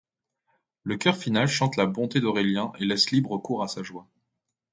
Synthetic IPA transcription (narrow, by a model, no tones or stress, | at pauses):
ləkʲœʁfinalʃɑ̃t̪labɔ̃t̪ed̪ɔʁeljɛ̃ʔelɛslibʁəkuʁasaʒwa